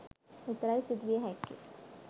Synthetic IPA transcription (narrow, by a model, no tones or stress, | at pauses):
ɪt̪ɾaːisɪd̪ʋeɦɛːkːḭ